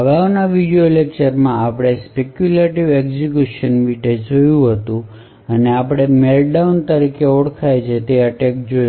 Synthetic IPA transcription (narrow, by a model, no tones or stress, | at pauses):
ɦəʋanaʋiɽijolek̚t͡ʃəɾmãapɽ̃espekjuleʈiʋekd͡ʒikjuʃənʋiʈed͡ʒojũɦət̪ũ | əneapɽ̃emelɖaunt̪əɾikeɔɽkʰajt͡ʃʰet̪eəʈek̚d͡ʒoj